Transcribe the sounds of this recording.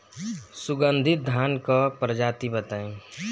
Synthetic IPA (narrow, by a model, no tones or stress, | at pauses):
sʊɡə̃nd̪ʱɪt̪̚d̪ʱjaːnkapɾəd͡ʒaːt̪ibət̪aːẽ